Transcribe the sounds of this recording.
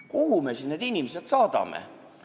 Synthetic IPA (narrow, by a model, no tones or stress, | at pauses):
kuhumesined̪inʲimeset̪sɑːd̪̥ɑ̰mḛ